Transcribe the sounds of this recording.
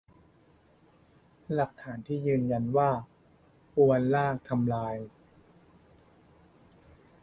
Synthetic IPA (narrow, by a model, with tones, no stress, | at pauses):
la˨˩k̚t̪ʰaː˩˦nt̪ʰiː˥˩jɯː˧nja˧nwaː˥˩ | ʔu˧ə˧nlaː˥˩k̚t̪ʰa˧mlaː˧j